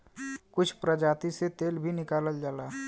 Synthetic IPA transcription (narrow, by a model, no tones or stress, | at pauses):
kʊt͡ʃʰpɾəd͡ʒaːt̪iset̪elbʱinɪkaləld͡ʒaːla